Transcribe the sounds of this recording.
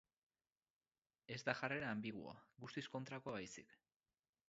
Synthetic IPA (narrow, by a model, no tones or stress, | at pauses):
e̞zd̪axare̞ɾaːmbiɣṵa̰ɡust̪isko̞nt̪ɾako̞βajsik